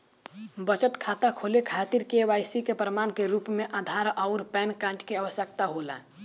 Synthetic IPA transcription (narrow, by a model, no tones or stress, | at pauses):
bət͡ʃət̪kʰaːt̪akʰoːlekʰaːt̪iɾkeʋaːjsikepɾəmaːnkeɾuːpmẽʔaːd̪ʱaːɾɔːʊɾpɛːnkãːɳʈkeaʋəsjəkt̪aɦoːla̰ː